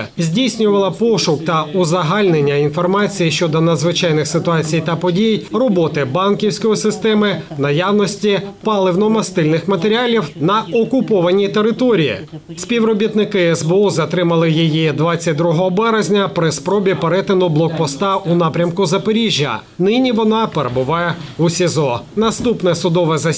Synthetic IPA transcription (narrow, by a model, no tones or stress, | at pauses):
zʲdʲijsʲnʲʊʋɐlˠɐpɔʃʊkt̪ɐʊzɐɦɑlʲnenʲːɐinfɔrmɑt͡sʲijiʃt͡ʃɔd̪ɔnɐd̪zʋɪt͡ʃɑjnɪxsɪt̪ʊɑt͡sʲijt̪ɐpɔdʲijrɔbɔt̪ɪbɑnkʲiwsʲkɔjisɪst̪ɛmɪnɐjɑwnɔsʲtʲipɑlˠɪwnɔmɐst̪ɪlʲnɪxmɐt̪eɾʲiɑlʲiwnɐɔkʊpɔʋɐnʲit̪eɾɪt̪ɔɾʲijḭsʲpʲiwɾɔbʲit̪nɪkɪɛzbɛuzɐt̪ɾɪmɐlˠɪjijid̪ʋɑt͡sʲːɐt̚ʲd̪ɾuɦɔɦɔbɛɾezʲnʲɐpɾɪspɾɔbʲipeɾɛt̪ɪnʊblˠɔk̚pɔst̪ɑʔunɑpɾʲɐmkʊzɐpeɾʲiʒʲjɐ̰ | nɪnʲiʋɔnɑpeɾebʊʋɑjɛusʲizɔnɐst̪upnɛsʊd̪ɔʋɛzɐ